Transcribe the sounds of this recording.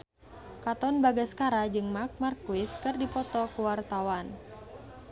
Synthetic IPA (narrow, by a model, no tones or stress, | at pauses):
kat̪ɔnbaɡaskaɾad͡ʒɨŋmak̚markuɪskɨrdipɔt̪ɔkuwart̪awan